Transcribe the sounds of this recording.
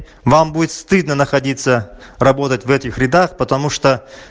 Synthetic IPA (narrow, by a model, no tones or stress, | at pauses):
vambudʲɪt̪st̪ɨd̪nənəxɐdʲit̪sːərɐbo̞t̪ətʲvɛtʲɪxɾʲɪd̪axpət̪ɐmuʂt̪o